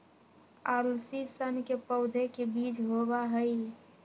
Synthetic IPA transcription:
aɾlsisənkepəʊd̪ʱekebiːt͡ʃɦobaɦəj

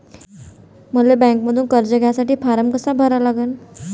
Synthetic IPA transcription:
m̤əlebɛ̃ŋkməd̪ʱuːnkəɾd͡ʑəɡʱjasaʈiːpʰaɾəmkəsabʱəɾalaɡən

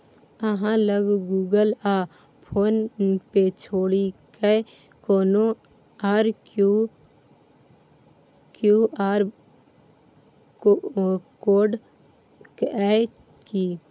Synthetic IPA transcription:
əɦãləɡɡuːɡəla | pʰoːnpet͡ʃʰoːɽikə | koːno | aːɾku | kjuaːɾ | koːɖ | kɛ | kiː

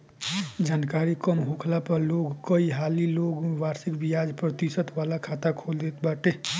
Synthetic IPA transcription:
d͡ʒaːnkaːɾikəmɦoːkʰlapəɾloːɡkəiɦaːliloːɡʋaːɾsɪkbijaːd͡ʒpɾət̪isət̪ʋaːlakʰaːt̪akʰoːld̪et̪baːʈe

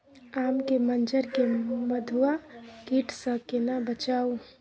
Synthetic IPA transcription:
aːmkemənd͡ʒəɾkeməd̪ʱuakiʈʰsə̃kenabət͡ʃaːu

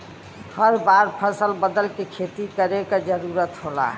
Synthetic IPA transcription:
həɾbaɾpʰəsəlbəd̪əlkekʰet̪ikəɾekad͡ʒəɾuɾət̪ɦola̰

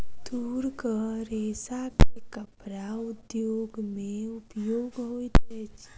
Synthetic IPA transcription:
d̪̥uːɾkəɾesakekəpɾaʊd̪joːɡmẽʊpjoːɡɦoːit̪et͡ʃ

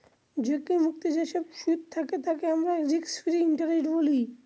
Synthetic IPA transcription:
d͡ʑekimukt̪id͡ʑeʃobʃut̪̚t̪ʰaket̪ʰakeamɾaɛkd̪iksfiɾiiɳʈaɾeʈboli

